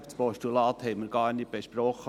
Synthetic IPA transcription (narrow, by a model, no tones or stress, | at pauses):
fspɔʃtulɑːt̪hɛɪmɪɾɡ̥ɑːɾnit̚b̥eʃpɾɔχə